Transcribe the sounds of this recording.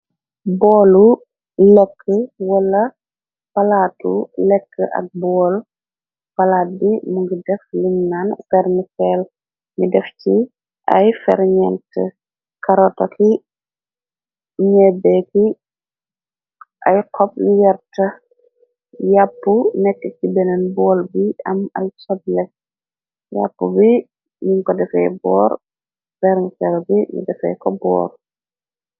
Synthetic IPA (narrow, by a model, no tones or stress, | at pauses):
bɔːlu | ləkʰːəwɐlɐ | pɐlaːtṵlɛkʰːəʔɐ̰k̚bɔːl | pɐlaːt̚bimuŋɡidɛfliɲnanfɛɾnifɛl | midɛfci | ʔɐ̰jfɛɾɲɛntə | kɐɾɔtɐkʰi | ɲɛbɛki | ʔa̰jkʰɔp̚jɛɾtɐ | japːunɛkːəkibɛnɐnbɔːlbiɐmɐ̰lsɔdlɛ | ja̰pːubi | niŋkɔdɛfɛ̰jbɔːɾ | fɛɾŋfɛlbimḭdɛfɛ̰kɔbɔ̰ːɾ